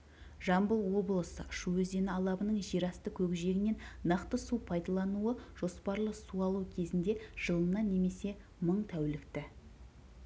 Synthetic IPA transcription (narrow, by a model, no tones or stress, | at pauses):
ʒɑmbəlˠwo̞bəlˠəsə̰ʃuɵzd̪e̞nɪɑlˠɑbənəɴʒiɾɑst̪əkʲʰɵɡʲʒe̞ɡʲɪne̞nnɑqt̪əsupʰɑjd̪ɑlˠɑnuəʒ̥o̞spɑɾlˠəsuɑlˠukʲʰe̞zɪnd̪e̞ʒ̥əlˠənɑne̞me̞se̞ | məɴt̪ʰæwlɪkt̪ɪ